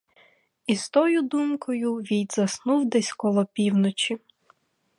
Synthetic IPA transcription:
iz̥t̪ɔjʊd̪umkɔjʊʋʲijd̪ʲzɐsnuwd̪ɛsʲkɔlˠɔpʲiwnɔt͡ʃi

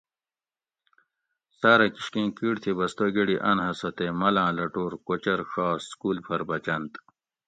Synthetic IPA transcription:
saːɾɐkiɕkẽːkiːɽt̪ʰibɐst̪oːɡeɽiʔɐnɦɐsɐt̪eːmɐlãːlɐʈoːɾkot͡ɕɐɾʂaːsskuːlpʰɐɾbɐt͡ɕɐnt̪

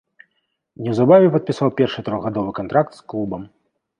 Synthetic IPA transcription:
nʲɛwzabavʲɛpɐt̪̚pʲisawpʲɛrʂɨt̪ɾɔɣɣad̪ɔvɨkant̪ɾak̚t̪sklˠubɐm

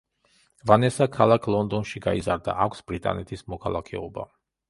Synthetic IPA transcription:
vanɛsakʰalˠakʰlˠɔnd̪ɔnʃiɡaizaɾd̪a̰ʔakʷʰsb̥ɾit̪ʼa̰nɛt̪ʰismɔkʰalˠakʰɛ̰ɔba

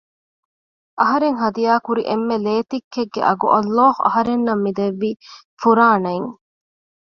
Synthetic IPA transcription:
ʔɐɦɐɾeŋɦɐd̪ijaːkuɾiʔemːeleːt̪ikːeɡːḛʔɐɡuʔɐlːaːhuʔɐ̰ɦɐɾenːɐmːid̪eʋːiː | fuɾaːnɐjŋ

